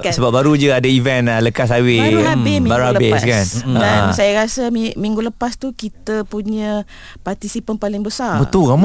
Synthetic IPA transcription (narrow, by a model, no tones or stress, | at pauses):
səbap̚baɾud͡ʒəadaivɛnləkasaweaɾuabemĩbaɾabeskanasajaɾasəimiŋɡuləpast̪ukit̪əpuɲə̃ | part̪isipənpalɪŋbəsarbət̪ʊlɣam